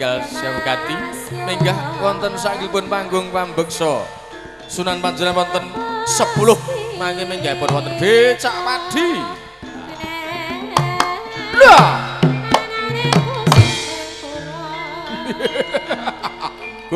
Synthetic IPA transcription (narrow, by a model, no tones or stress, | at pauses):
alsawɡ̥at̪imiŋɡahwɔnt̪ɔnsaʔkipʊnpaŋɡʊŋpambək̚sɔ | sunanpand͡ʒuɾanwɔnt̪ɔnsəpulʊhmakemiŋɡapɔnwɔt̪ərb̥et͡ʃaʔpaɖ̥i | lua